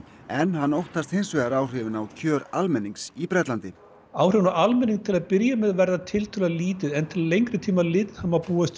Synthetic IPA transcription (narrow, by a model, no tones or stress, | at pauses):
ɛnhanːowht̪ast̪hejnsvɛɣaɾaːwr̥ɪvɪnawcʰœːɾalmɛnːiŋksipɾɛt̪lant̪ɪ | aːwr̥ɪvnaalmɛniŋt̪ʰɪlaðpɪɾjamɛðvɛɾðat̪ʰɪlt̪ʰʏlaliːt̪ɪðɛnt̪ʰɪllejŋkɾɪt̪ʰiːmalɪːt̪ɪðhamapuːast̪